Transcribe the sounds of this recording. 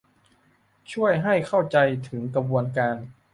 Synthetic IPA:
t͡ɕʰu˥˩əjɦa˥˩jkʰa˥˩wt͡ɕa˧jt̪ʰɯ˩˦ŋkɾa˧bu˧ənkaː˧n

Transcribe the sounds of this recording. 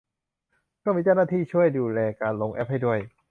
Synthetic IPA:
kɔː˥˩miː˧t͡ɕa˥˩wnaː˥˩iː˥˩t͡ɕʰu˥˩əjduː˧lɛː˧kaː˧nlo˧ŋʔɛ˦˥p̚ha˥˩jdu˥˩əj

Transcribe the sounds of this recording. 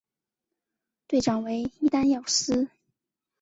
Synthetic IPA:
t̪we˥˩ɪʈ͡ʂɑ˨˩ŋwe˧˥ɪi˥t̪a˥njɑ˥˩ʊsɹ̩˥

